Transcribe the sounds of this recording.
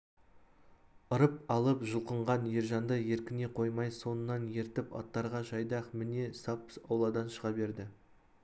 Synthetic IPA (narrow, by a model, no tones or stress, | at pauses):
əɾəpɑlˠəpʒəlˠqəɴʁɑnje̞ɾʒɑnd̪əje̞ɾkʲɪne̞qʰo̞jmɑjso̞nənːɑnje̞ɾt̪ɪpɑ̰t̪ːɑɾʁɑʒɑjd̪ɑqmɪne̞sɑpːsɑwlˠɑd̪ɑnʃəʁɑbe̞ɾd̪ɪ